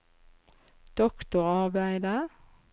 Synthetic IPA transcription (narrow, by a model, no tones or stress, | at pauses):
d̪̥ɔkt̪ʊʁɑʁbæɪd̪ə